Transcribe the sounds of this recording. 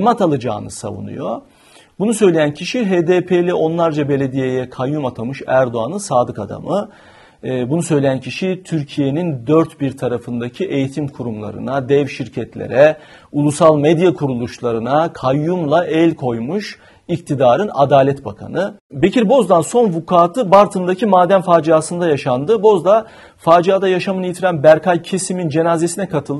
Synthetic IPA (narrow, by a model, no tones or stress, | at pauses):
mat̪ʰalˠad͡ʒa̰ːnɯ̰sa̰vṵnṵjo̞ | bunusø̞jlʲe̞jæncʰiʃiɦeːd̪eːpʰejlʲɛʔo̞nlˠaɾd͡ʒabe̞lʲe̞d̪ijejɛkʰajːumat̪ʰamɯʃæɾd̪o̞anɯnsaːd̪ɯkad̪a̰mɯ | bunusø̞jlʲejæncʰiʃit̪ʰyɾcʰije̞nind̪øɾt̪biɾt̪ʰaɾafɯnd̪acʰiʔe̞jit̪ʰimkʰuɾumlˠa̰ɾɯ̰nad̪ɛvʃiɾcʰɛt̪ʰlʲḛɾɛ | ulˠusalˠmɛd̪jakʰuɾulˠuʃlˠaɾɯnakʰajːumlˠaʔɛlʲkʰo̞jmuʃ | ik̚t̪ʰid̪aːɾɯna̰d̪aːlʲɛt̪ba̰kʰa̰nɯbecʰiɾbo̞zd̪anso̞nvukʰaːt̪ʰɯbaɾt̪ʰɯnd̪acʰimaːd̪æmfaːd͡ʒiaːsɯnd̪ajaʃand̪ɯbo̞zd̪a | faːd͡ʒiaːd̪ajaʃamɯnɯjit̪ʰiɾænbæɾkʰalʲcʰesimind͡ʒe̞naːze̞sinɛkʰat̪ʰɯlˠ